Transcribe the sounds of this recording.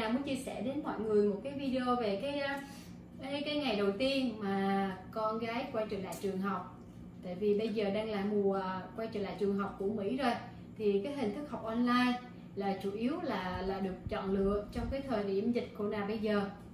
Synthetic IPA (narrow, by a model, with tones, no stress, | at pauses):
aː˨˩mɨ˨˦ənt͡ɕi˧əsɛ̰˧˩ɗe˨˦nmɔ̰˧˨jŋɨ˨˩əjmo˨˩t̚kaː˨˦jvi˧ɗe˧o˧ve˨˩kaː˨˦jʔ | aː˨˦kaː˨˦jŋa˨˩jɗə˨˩wt̪i˧ənmaː˨˩kɔ˧nɣaː˨˦jkwaː˧jt͡ɕɨ̰˧˨˩la̰ː˧˨t͡ɕɨ˨˩əŋɦa˨˩wk͡p̚ | t̪a̰ː˧˨jvi˨˩ɓə˧jzəː˨˩ɗaː˧ŋla̰ː˧˨mu˨˩əkwaː˧jt͡ɕɨ̰˧˨˩nlaː˧˨t͡ɕɨ˨˩əŋɦa˨˩wk͡p̚ku˧˩əmḭ˧˥zo˨˩j | t̪ʰi˨˩kaː˨˦jhï˨˩ŋ̟t̪ʰɨ˦˥k̚hɔ˨˩wk͡p̚ʔɔ˧nlaː˧j | laː˨˩t͡ɕu˧˩ʔi˨˦əwlaː˨˩laː˨˩ɗɨ˨˩ək̚t͡ɕɔ̰˧˨nlɨ̰˧˨əʔ̚t͡ɕɔ˧wŋ͡mkaː˨˦jt̪ʰəː˨˩jɗi˧˩əmzï˨˩k̟̚ko˧˩naː˨˩ɓə˧jzəː˨˩